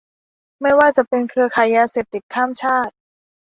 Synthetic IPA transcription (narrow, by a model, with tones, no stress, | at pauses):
ma˥˩jwaː˥˩t͡ɕa˨˩pe˧nkʰɯ˧ɐkʰa˨˩˦jːaː˧se˨˩p̚t̪i˨˩kʰːaː˥˩mt͡ɕʰaː˥˩t̪̚